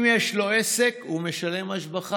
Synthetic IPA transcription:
mjeʃlo̞ese̞kume̞ʃale̞maʃbaχ

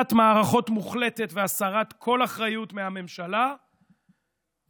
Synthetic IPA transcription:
t̪maːʁaχo̞tmuχle̞t̪e̞tveasaʁat̪kʰo̞laχʁajutmehame̞mʃala

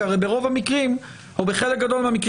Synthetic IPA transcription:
aʁejbeʁo̞vamikʁim | hubeχelek̚ɡad̪o̞lmeamikʁ

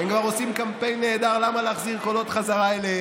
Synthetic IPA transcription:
enkvaʁosimkampe̞jnːeːd̪aʁlamaleːχziʁko̞lo̞t̪χazaʁaele

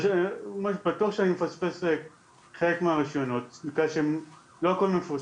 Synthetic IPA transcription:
ʃmaʃbatuaχʃeanimefaspese | χelekmeaʁiʃjono̞t̚nikʁaʃeem | lo̞ako̞lmefu

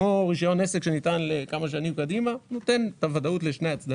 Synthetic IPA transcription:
oʁiʃajo̞nesekʃenit̪anlekamaʃ̬animkad̪imanot̪e̞nt̪avad̪aut̪le̞ʃne̞jat͡sd̪a

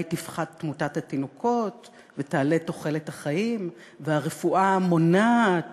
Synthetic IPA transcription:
jtifχadtːmutathatinokot | vetaːle̞to̞χe̞lethaχaim | veaʁefuʔamo̞na

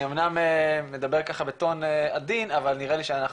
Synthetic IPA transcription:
omnameme̞d̪abe̞ʁkaχabet̪o̞nead̪inavalniʁeliʃeanaχ

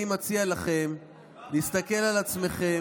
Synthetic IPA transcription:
imot͡sialaχe̞m | list̪ake̞lalat͡sme̞χe̞

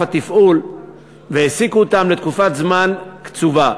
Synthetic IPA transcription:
at̪ifʔul | veesikuot̪amlet̪kufat̪zmankt͡suva

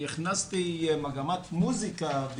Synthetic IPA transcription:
iχnastimaɡamat̪muzikab

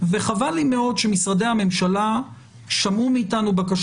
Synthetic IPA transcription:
ve̞χavalimeo̞dʃe̞misʁade̞jhame̞mʃala | ʃamumiːtanubakaʃ

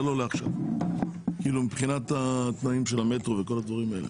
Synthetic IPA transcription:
lo̞leaχʃa̰v | kiilumipχinat̪at̪naimʃe̞lame̞t̪ʁoveko̞lad̪vaʁimae̞le

